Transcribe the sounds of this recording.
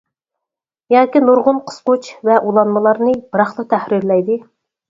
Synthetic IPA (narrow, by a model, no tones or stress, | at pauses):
jɑːkʲinuɾʁʊnqʰə̥sqʊt͡ʃvɛʔulˠɑnmɨlˠɑɾnɨb̥ɨɾɑχlˠət̪ʰæhɾiɾlɛjd̪ɨ